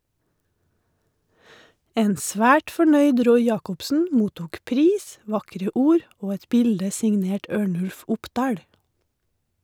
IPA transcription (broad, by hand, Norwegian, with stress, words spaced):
ˈeːn ˈsʋæːʈ fɔˈɳœʏd ˈɾɔʏ ˈjɑːkʊpsn̩ ˈmuːtuːk ˈpɾiːs ˈʋɑkɾə ˈuːɾ ˈoː ˈɛt ˈbɪldə sɪŋˈneːʈ ˈøːɳʉlf ˈʊpˌdɑːɽ